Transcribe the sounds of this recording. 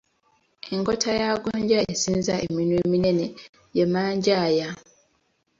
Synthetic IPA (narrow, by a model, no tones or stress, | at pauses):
eŋkotʰajaɡoɲɟaesiːnzaḛminweminene | jemaːɲɟaja